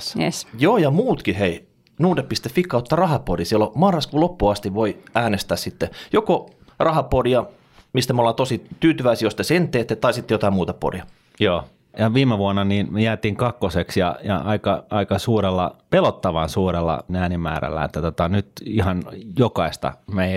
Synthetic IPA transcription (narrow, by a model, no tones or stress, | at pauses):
jḛsjoːjɑmuːt̪kihei | nuːdeppist̪effikːɑot̪ːɑrɑhɑpodisielːomɑrːɑskulopːuɑst̪iʋʋoiæːnest̪æssit̪ːejoko | rɑhɑpodiɑ | mist̪æmolːɑt̪osit̪yːt̪yʋæisijost̪esent̪ːˑeːt̪ːet̪ɑisit̪ːejot̪ɑimuːt̪ɑpo̰riɑ | joː | jɑʋiːmeʋuɑnːɑniːnjæːt̪iːŋkɑkːoseksjɑ̰jɑ̰ɑikɑɑikɑsuːɾelːɑ̰pelot̪ːɑʋɑnsuːɾelːɑ̰næːnimæ̰ːɾæ̰lːæ̰ḛt̪ːæt̪ot̪ɑnyt̪ihɑnjokɑist̪ɑ̰mei